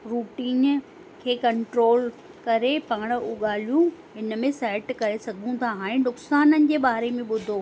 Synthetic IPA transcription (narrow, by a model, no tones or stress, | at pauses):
ɾuːʈiːn | kʰeːkɐ̃ɳʈɾoːl | kɐɾepaːɽ̃uɠaːl̤ijũɦɪnə̆mẽsɛːʈkɐɾesɐɡʱũt̪ʰaɦaːɽɪ̃nʊksaːnənɪ̆d͡ʑeːɓaːɾemẽɓʊd̪ʱo